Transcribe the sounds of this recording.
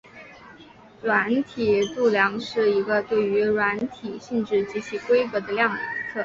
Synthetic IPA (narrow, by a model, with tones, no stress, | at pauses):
ɻwa˧˥nt̪ʰi˨˩˦t̪u˥˩ljɑ˧˥ŋʂɻ̩˥˩i˧˥ɡə˧t̪we˥˩ɪy˧˥ɻwa˧˥nt̪ʰi˨˩ɕi˥˧nʈ͡ʂɻ̩˥˩t͡ɕi˧˥t͡ɕʰi˧˥kwe˥ɪkɤ˧˥d̪ə˧ljɑ˥˧ŋ˧˩t͡sʰɤ˥˩